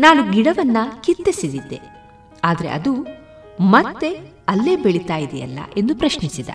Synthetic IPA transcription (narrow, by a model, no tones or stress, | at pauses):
naːnuɡiɽɐʋɐnːɐkit̪ːesid̪id̪ːe̞̰ | aːd̪ɐɾe̞̰ʔɐ̰d̪u | mɐt̪ːe̞ | ɐlːe̞ːbeɭit̪aːjid̪ɛjɐ̰lːɐ̰ʔe̞nd̪upɾɐʃnisid̪ɐ̰